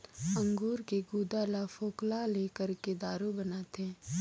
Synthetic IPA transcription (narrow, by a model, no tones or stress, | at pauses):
ə̃ŋɡoːɾkeɡuːd̪aːlafoːklaleːkəɾked̪aːɾobənaːt̪ɦɛ̃ː